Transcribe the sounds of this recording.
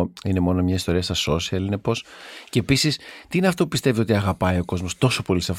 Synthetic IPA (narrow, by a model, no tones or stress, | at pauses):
ine̞mo̞nomɲɐist̪o̞ɾiɐst̪ɐso̞siɐline̞po̞sce̞ːpisist̪iineɐft̪o̞pu̥pist̪e̞vio̞t̪iɐɣɐpɐio̞ko̞zmo̞st̪o̞so̞po̞lisɐf